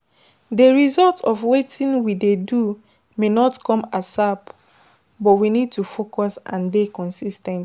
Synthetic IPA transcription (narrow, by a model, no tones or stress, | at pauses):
deɹizɔltʰɔvwetʰĩnwidedu | menɔtkɔ̃masap | bɔtwinid̚tufokʰɔsã̰ndekɔ̃nsistɛ̃n